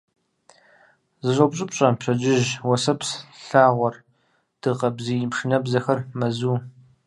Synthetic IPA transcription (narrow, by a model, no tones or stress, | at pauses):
zɨɕʷʼɐpɕʼɪpɕʼɐpɕʰɐd͡ʒɪʒwɐsɐpsɬaːʁʷɔr | d̥ɨqɐbzijɪmʂɨnɐbzɐxɐrmɐzuː